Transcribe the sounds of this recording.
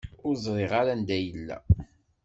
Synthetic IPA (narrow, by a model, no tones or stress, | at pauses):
ʊɾzˤɾˤiʁaɾand̪æjəlːæ̰